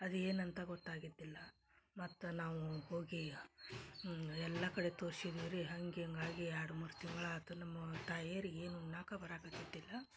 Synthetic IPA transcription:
ɐd̪e̞ːnɐnt̪ɐɡɔʈ̪ːaːɡid̪ːilːɐ | mɐt̪ːunaːʋuho̞ːɡi | ɛlːɐkɐɽe̞t̪oːɾsid̪iːɾiɦɐŋɡeɐŋɡaːɡiaːɽumɐɾt̪iŋɡɐɭaːt̪ɐnɐmːɐt̪aːjeɾieːnunaːkɐbɐɾaːkɐt̪id̪ːilːɐ

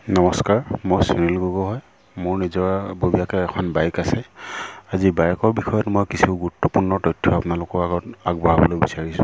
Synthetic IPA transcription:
nɔmɔskaɹmojsinilɡuɡɔɦɔj | mʊɹnizɔɹabobijakɛːkʰɔnbajkasɛazibajkɔɹbixɔjɔtmojkisuɡuʊtːɔpuɹnɔtɔjtʰːɔapʊnalʊkɔɹaɡɔtaɡ̚baɦabɔlojbisaɹisʊ̃

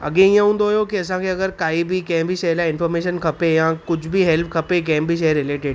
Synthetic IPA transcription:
ɐ̰ɡẽiə̃ɦũːnd̪oɦojokiɐsãkʰeɐɡəɾkaːibʱikɛ̃ɦbʱiʃɐɦlaɪ̃nfɔːɾmeːʃənkʰɐpejãkʊd͡ʑʰʱbʱiɦɛlp̚ʰkʰɐpek̬ɛ̃ɦɪ̃bʱiʃeɾɪleːʈɪɖ

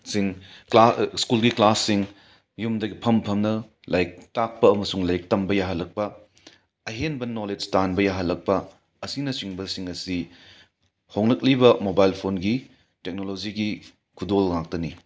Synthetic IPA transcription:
siŋklaskulɡiklasːiŋ | jumdɐɡipʰɐmpʰɐmnɐ | lajk̚tak̚pɐɐmɐsuŋlajk̚tɐmbɐjaɦɐlːɐk̚pɐ | ɐɦenbɐnoled͡ʒtanbɐjaɦɐlːɐk̚pɐ | ɐsinɐsiŋbɐsiŋɐsi | hoŋlɐk̚libɐmobajlpʰonɡi | tek̚nolod͡ʒiɡi | kʰudolŋak̚tɐni

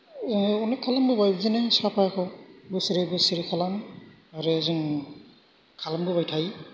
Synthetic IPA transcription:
ɔnakʰalambɯbajbzenesapʰajakʰɔbɯsiɾebɯsiɾikʰalam | aɾɯzɯŋ | kʰalambɯbajtʰaj

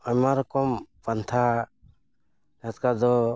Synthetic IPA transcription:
amaɾɔkɔmpant̪ʰa | d͡ʒat̪kad̪ɔ

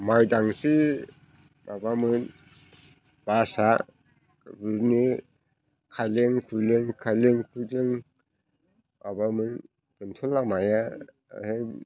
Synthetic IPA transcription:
majdaŋsi | babamɯn | b̥asa | bɯni | kʰajleŋpʰulɯŋkʰajleŋpʰudɯŋ | babamɯn | kɯntʰɔlːamaja̰ | he

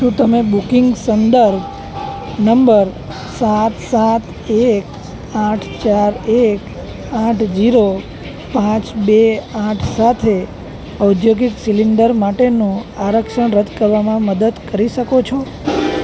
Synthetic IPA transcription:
ʃũt̪əmebukiŋɡsənd̪əɾb | nəmbəɾ | sat̪sat̪ | ek | ãʈʰt͡ʃaɾek | ãʈʰd͡ʒiɾo | pãt͡ʃbeãʈʰsat̪ʰe | əud̪joɡiksiliɳɖəɾmaʈenũaɾəkʃəɳɾət̪ʰkəɾʋamãməd̪əd̪kəɾiʃəkot͡ʃʰo

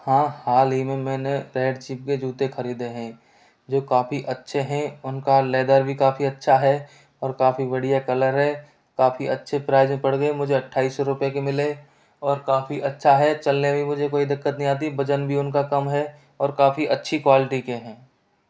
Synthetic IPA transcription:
hãːhaːlɦimẽmɛ̃ːneɾɛːɖt͡ʃiːp̚ked͡ʒuːt̪exʰɐɾiːd̪eɦɛ̃ː | d͡ʒoːkaːfiʔɐtːʃʰeɦɛ̃ʊnkalɛːd̪aːɾbʱikaːfiɐtːʃʰaɦɛ | ɔːɾkaːfiʋɐɽijakɐləɾɦɛ | kaːfiɐtːʃʰepɾaːɪzẽpɐɽɡemʊd͡ʒʱeɐʈʰːaːisɔɾʊpjekemɪle | ɔːɾkaːfiʔɐtːʃʰaɦɛt͡ʃɐlnebʱimʊd͡ʒʱekoːid̪ɪkːət̪nĩaːt̪̬ibɐd͡ʒənbʱiʊnkakɐmɦɛ | ɔːɾkaːfiʔɐtːʃʰikwaːlɪʈikeɦɛ̃ː

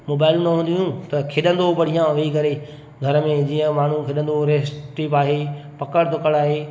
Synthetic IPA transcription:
moːbaːɪlũnɐɦũːn̆d̪iɦũt̪ɐkʰɪɗə̃nd̪oʋɐɽ̤ijãʋɐikɐɾe | ɡʱɐɾəmẽd͡ʑiːə̃maːɳ̤ũkʰeɗə̃nd̪oɾeːsʈiːpaːɦepɐkəɽd̪ʊkəɽaːɦeː

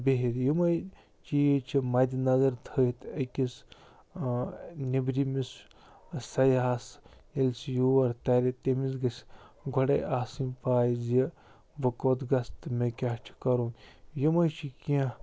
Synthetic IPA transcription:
beɦit̪jimɐj | t͡ʃijit͡ʃʰimɐd̪ʲinɐzɐɾt̪ʰət̪ɐkʲis | nibɾimis | sɐjaːselsijuɐɾt̪ɐɾet̪emisɡɐsʲɡʱoɽɐ̰jʔaːsinpaːjzi | bɐkoːt̪ɡɐst̪ɨmekʲat͡ʃʰi̥kɐɾoːnjimɐjt͡ʃʰikiã

